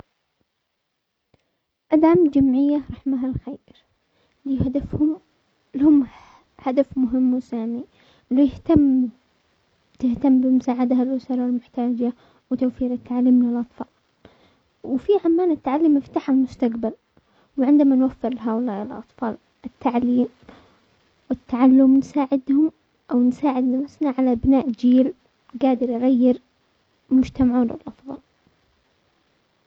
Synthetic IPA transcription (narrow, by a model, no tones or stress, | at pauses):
ʔad̪aʕamd͡ʒamʕɪjːaɾˤɑħmaɦalxeːɾ | liːhad̪afhʊm | lhʊm | had̪afmʊɦɪmːʊsaːni | ljht̪am | t̪ɪht̪amːbɪmʊsaːʕad̪ahalʔʊsɑɾˤɑlmʊħt̪aːd͡ʒa | wɪt̪awfiːɾɪt̪ːaʕalːiːmlɪlʔɑt̪ˤfɑ̰ːl | wfiʕamːaːnɪt̪ːaʕalːiːmːɪft̪aːħalmʊst̪aqbal | wʕɪnd̪amanwafːɪɾlɦaːʔʊlaːʔɪlʔɑ̰t̪ˤfɑːl | ʔɪt̪ʰːaʕliːm | wɪt̪ːaʕalːʊmnsaːʕɪd̪hʊm | ʔawnsaːʕɪd̪nafʊsnaʕalaʔbnaːʔd͡ʒiːl | ɡaːd̪ɪɾjɣajːɪɾ | mʊd͡ʒt̪amaʕuːnɪ̰lʔɑfðˤɑ̰l